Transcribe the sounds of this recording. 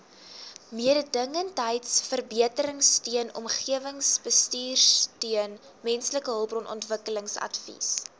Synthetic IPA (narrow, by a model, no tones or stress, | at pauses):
miədədəŋəntəjtsfərbiətəɾəŋstyənɔ̰mχiəvəŋsbəstyːrstyən | mɛnsləkəɦəlˠbrɔnʔɔ̰ntvəkələŋsɐ̰dfḭs